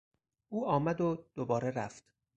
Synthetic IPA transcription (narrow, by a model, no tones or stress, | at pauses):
ʔuːʔɒːmæd̪od̪̥obɒːɾeɾæft̪